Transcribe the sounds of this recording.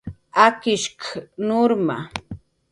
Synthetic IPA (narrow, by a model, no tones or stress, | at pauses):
akɪʃkanoɾma̰